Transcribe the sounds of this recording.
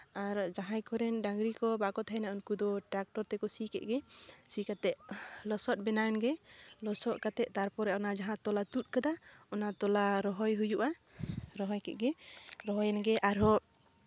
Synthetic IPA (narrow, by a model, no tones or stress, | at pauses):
aɾd͡ʒaɦãjkɔɾɛnɖaŋɡɾikɔbakɔt̪ʰaɛnaʔunkud̪ɔʈɾak̚ʈɔɾt̪ɛkɔsikɛ̰ʔ̪̚ɡɛsikat̪ɛʔ̚lɔsɔt̪̚ˀbɛnaɛnɡɛlɔsɔʔkat̪ɛʔ̚t̪aɾpɔɾɛɔnad͡ʒaɦãt̪ɔlat̪ut̪̚ˀkad̪aɔnat̪ɔlaɾɔɦɔjɦujuʔa | ɾɔɦɔjkɛ̰ʔ̪̚ɡɛɾɔɦɔjnɡɛʔaɾɔ